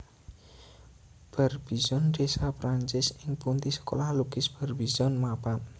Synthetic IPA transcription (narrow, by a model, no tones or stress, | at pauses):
b̥ə̤rb̥i̤zɔnɖesapɾaɲt͡ʃɪsɪŋpunt̪isə̥kolahlukɪsb̥ərbizɔnmapan